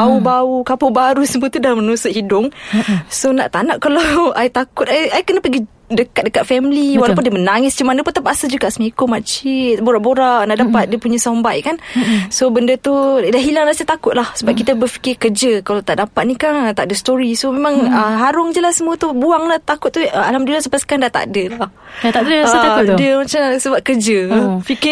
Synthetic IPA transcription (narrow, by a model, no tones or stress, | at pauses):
baubaukapobaɾusəmuət̪udamənusʊʔ̪̚hidʊŋsona̰ʔt̪anaʔkalawajt̪akʊt̪̚aajkənəpəɡi | dəkat̪̚dəkat̪̚fɛmliwalapʊndiəmənaŋɪsd͡ʒəmanapʊnt̪apaʔasad͡ʒuɡaʔsəmekomat͡ʃiboɾaʔboɾaʔnaʔdapat̪̚diəpuɲasambajkansobəndət̪udaʔɦilaŋɾasət̪akʊt̪̚lahsəbap̚kit̪əbəfi̥kɪkəd͡ʒəkalat̪aʔdapat̪̚nikant̪aʔdəst̪oɾisomemãŋəɦaɾʊŋd͡ʒəlahsəmuət̪ubuaŋlaht̪akʊt̪̚ːuəalamdulasəpaskandaʔt̪a̰ʔdəlah | aadədəmat͡ʃasəbap̚kərd͡ʒəfikɪ